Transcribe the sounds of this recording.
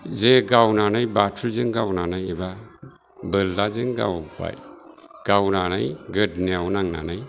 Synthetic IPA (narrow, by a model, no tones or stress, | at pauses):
zeɡawnanɯjbatʰuzɯŋɡawnanajeba | bɯlːazɯŋɡa̰wpa̰j | ɡ̥awnana̰jɡɯdneawnaŋna̰nɯj